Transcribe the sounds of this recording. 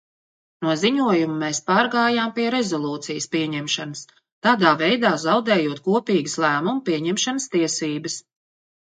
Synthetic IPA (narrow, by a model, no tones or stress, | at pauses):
nuɔziɲuɔjumumɛːspaːɾɡaːjaːmpiɛɾɛzɔlˠuːt̪sijəspiɛɲɛmʃanɐs | t̪aːd̪aːvɛjd̪aːzawd̪ɛːjuɔt̪̚kuɔpiːɡəslˠæːmumpiɛɲɛmʃanəst̪iɛsiːbəs